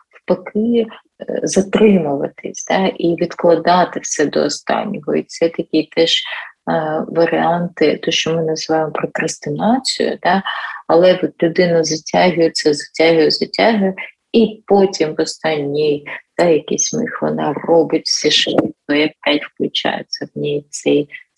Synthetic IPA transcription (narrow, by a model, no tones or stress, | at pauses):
wpɐkɪ | zɐt̪ɾɪmʊʋɐ̰t̪ɪ̰sʲd̪ɑʔiʋʲid̪klˠɐd̪ɑt̪ɪwsʲɛd̪ɔ̰ːst̪ɑ̰nʲːɔɦɔ̰it̪sɛt̪ɐkʲit̪ɛʒ̥ | ʋɐɾɪɑnt̪ɪt̪ɔʃt͡ʃɔmɪnɐzɨʋɑjɪmɔpɾɔkɾɐst̪ɪnɑt͡sʲʊ̰jʊ̰d̪ɑɐlˠɛɔt̪lʲʊd̪ɪnɐzɐtʲaɦʊjɛt̪sʲɛzɐtʲaɦʊjɛzɐtʲaɦɪ | ipɔtʲimʋɔst̪ɑnʲːijd̪̥ɑjɐkʲisʲmɪ̰xʋɔ̰nɑrɔbɪtʲwsʲɛʃʋɪt̪kɔjɐkɛtʲwklˠʲʊt͡ʃɑ̰jɪ̰t͡sʲːɐwnʲij̪t͡s̪ɛj